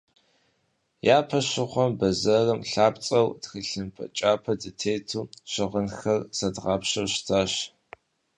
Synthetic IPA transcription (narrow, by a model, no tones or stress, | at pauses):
jaːpʰɐɕɪχʷɔmbɐzɐrɨmɬaːpt͡sʼɐwdxiɬɨmpʰɐ̰t͡ʃʼaːpʰɐdɨtʰeːtʰuːɕɪʁənxɐrsɐdʁɑːpɕɐwɕtʰaːɕ